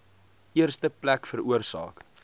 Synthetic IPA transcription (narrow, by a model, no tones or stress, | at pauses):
iərstəplækfəɾuərsɑ̰ːk